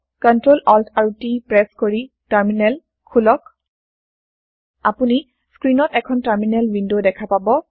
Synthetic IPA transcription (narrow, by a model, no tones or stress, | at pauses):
kɔntɹolɔltʰaɹutipɹɛskoɹi | taɹminɛl | kʰulɔk̚ | apuni | skɹinɔtɛkʰɔntaɹminɛlwindodɛkʰapabɔ